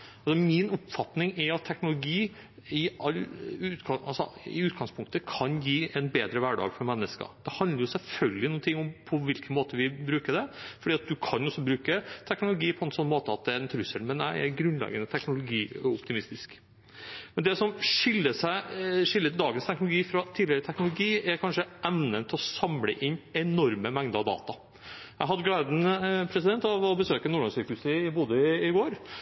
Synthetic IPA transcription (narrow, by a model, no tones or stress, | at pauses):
ɑlsɔmɪnʊpfɑt̪nɪŋɛɑt̪ʰːɛknʊlʊɡiː | ɪɑlʉt̪ɑɑlsɔ̰ɪ̰ʉːt̪ɡɑŋspʰʊŋk̚t̪əkʰɑnjiːɛnbeːd̪ɾəʋæɖɑ̰ːɡfɔɾmɛnːəskə̰d̪̥ɛhɑnd̪ləɾjʊsɛlfœlɡ̪ɪnuːnt̪ʰɪŋːʊmpʰɔʋɪlkənmoːt̪əʋɪbɾʉːkəɖ̪ɛfɔɖiːɑt̪̚d̪ʉkʰɑnjɔsːɔbɾʉːkət̪ʰɛknʊlʊɡiːpʰɔɛnsɔnːmoːt̪əɑt̪̚d̪ɛɾɛnt̪ʰɾʉsəlmɛnæɪɛ̰ɾɡɾʉnlɛ̰ɡənət̪ʰɛknʊlʊɡiːɔpt̪ɪmɪst̪ɪsk | mɛnd̪ɛsɔmʂɪlːəʂæɪʂɪlːət̪d̪ɑːɡənst̪ʰɛknʊlʊɡiːfɾɑt̪ʰiːd̪ɪəɾət̪ʰɛknʊlʊɡiːɛɾkʰɑnʂəʔɛʋnənt̪ʰɪlɔsɑmlə̰ʔɪnɛnɔɾməmɛŋd̪əɑʋd̪ɑ̰ːt̪ɑ | jæɪɦɑd̪ːəɡleːd̪n̩pʰɾɛsɪd̪ɛnt̪ɑʋɔbəsøːkənuːɭɔŋsyːɾkhʉsəɪbʊːd̪əɪɪɡoːɾ